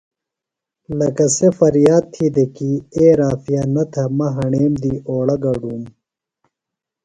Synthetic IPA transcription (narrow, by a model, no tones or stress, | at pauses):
lɐkɐsefɐɾjaːd̪̚t̪ʰid̪ekieːɾaːfijanɐt̪ʰɐmɐɦɐɳeːmd̪iːoːɽɐɡɐɖuːm